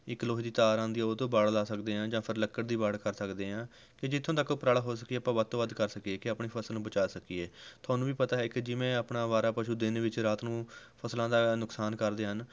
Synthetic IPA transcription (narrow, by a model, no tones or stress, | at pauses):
ɪkːloːɦid̪iːt̪aːɾãːnd̪iːaːoːt̪õːbaːɽlaːsəkd̪eːɦãːd͡ʒãːpʰəɾləkːəɽd̪iːbaːɽkəɾsəkd̪eːɦãː | kɪd͡ʒɪt̪ʰːõːt̪əkːopɾaːɽaɦoːs̬əkiɛːpãːʋət̪õːʋəd̪kəɾsəkieːkɪaːpɳiːpʰəsəlnũːbət͡ʃaːsəkiɛːt̪ʰaːnũːʋiːpət̪aːɦɛːkɪd͡ʒɪʋẽːəpɳaːʋaːɾaːpəʃuːd̪ɪnʋɪt͡ʃɾaːt̪nũːpʰəslãːd̪aːnʊksaːnkəɾd̪eːɦən